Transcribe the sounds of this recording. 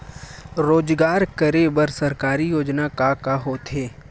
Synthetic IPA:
ɾoːd͡ʒɡaːɾkəɾebəɾsɐɾkaːɾijoːd͡ʒnakakaɦoːt̪ɦeː

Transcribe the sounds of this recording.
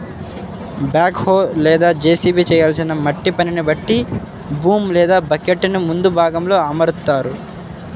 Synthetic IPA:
bjaːkhoːlɛːd̪aːd͡ʒeːsiːbit͡ʃɛːjaːlsinɐmɐʈːipɐninibɐʈːi | buːmlɛːd̪aːbɐkːeʈːnimund̪ubʱaːɡɐmlo̞ːɐmɐɾut̪ːaːɾu

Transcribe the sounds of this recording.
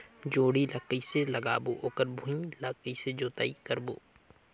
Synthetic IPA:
d͡ʒoːɽiləkːiselɐɡa̰ːboʔoːkəɾbʱũĩləkəised͡ʒoːt̪a̰ːikɐɾboː

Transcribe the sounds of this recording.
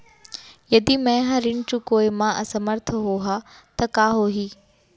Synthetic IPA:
jɐd̪imɛ̃ːɦɐɾɪɳt͡ɕukoːimãʔɐsɐməɾt̪ʰəɦoːɦat̪ɐkaːɦoːɦiː

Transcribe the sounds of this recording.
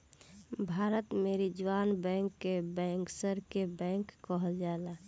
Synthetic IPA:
bʱaːɾət̪meɾid͡ʒwaːnbɛ̃ːŋkːebɛ̃ːŋksəɾkebɛ̃ːŋkːəɦəld͡ʒala

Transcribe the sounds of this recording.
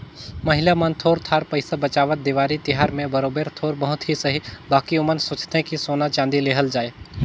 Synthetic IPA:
mɐɦɪlamənt̪ʰoːɾt̪ʰaːɾpəɪsabət͡ʃaːʋət̪̚d̪iʋaːɾit̪ɪɦaːɾmẽbɐɾoːbeːɾt̪ʰoːɾbɐɦʊt̪ɦisɐɦibaːkiʊmənsʊt͡ʃt̪ẽkisoːnat͡ʃãːnd̪ileːɦəld͡ʒaːeː

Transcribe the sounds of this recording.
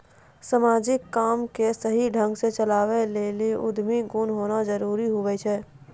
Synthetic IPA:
səmaːd͡ʒɪkːaːmkesəɦiɖʱə̃ŋɡset͡ʃəlaːʋeleːliʔʊd̪ʱmiɡunɦoːnazəɾuːɾiɦoɡɛt͡ʃʰɛː

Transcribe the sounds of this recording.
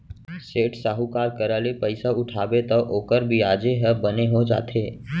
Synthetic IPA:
seːʈsaːɦukaːɾkəɾaːlepəɪsaʊʈʰaːbet̪ɔʔoːkəɾbʱiaːd͡ʒeɦɛbəneɦod͡ʒa̰ːt̪ʰeː

